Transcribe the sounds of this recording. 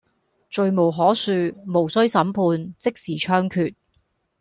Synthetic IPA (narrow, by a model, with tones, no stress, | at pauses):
t͡ʃɵ˨ɥmo˨˩wɦɔː˨˥syː˨˧mo˨˩wsɵ˥ɥsɐ˨˧˥mpʰuː˧nt͡sɪ˥k̚siː˨˩t͡ʃʰœː˥ŋkʰyː˨˩t̚